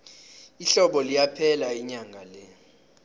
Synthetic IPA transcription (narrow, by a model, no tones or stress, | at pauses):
iɬɔɓɔlijapʰɛlaiɲaŋɡʱalɛ